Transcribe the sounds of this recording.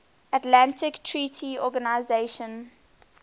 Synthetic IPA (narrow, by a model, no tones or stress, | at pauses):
atlãntɪktʰɹiːtʰiɔɡanaɪzeʃə̃n